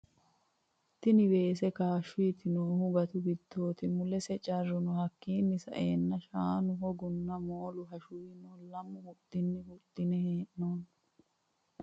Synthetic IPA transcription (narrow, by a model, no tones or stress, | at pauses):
t̪ːɪnɪbe̞ːs̬ɛkaːʃʊjɪt̪ɪnoːhʊɡɐt̪ʊɡɪd̪̥ːo̞ːt̪ɪmʊlɛsɛt͡ʃʼɐrːʊnʊhɐkːiːnːɪsɐ̰ʔeːnːɐʃaːnʊɦɔɡʊnːɐmoːlʊɦɐʃʊjɪnoːlɐmːʊhʊt̪ːɪnːɪhʊt̪ːɪnɛheːʔnoːn